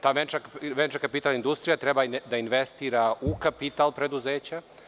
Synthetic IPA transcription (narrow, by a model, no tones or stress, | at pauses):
t̪aːjʋent͡ʃakʋent͡ʃakapit̪alind̪ust̪ɾijat̪ɾebad̪ainʋest̪iːɾaukapit̪alˠpɾe̞d̪uzeːt͡ɕa